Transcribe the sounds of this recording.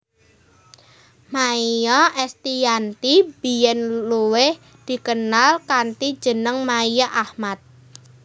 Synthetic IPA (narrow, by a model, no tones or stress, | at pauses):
maijɔʔɛst̪ijant̪ib̥i̤jɛnluwɪh | d̪̥i̤kənalkant̪i̥d͡ʒ̥ə̤nəŋmaijaʔahmat̪̚